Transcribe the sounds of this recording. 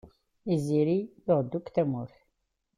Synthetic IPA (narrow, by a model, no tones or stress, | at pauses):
iziɾijʊʁəd̪ːukt̪æmʊɾθ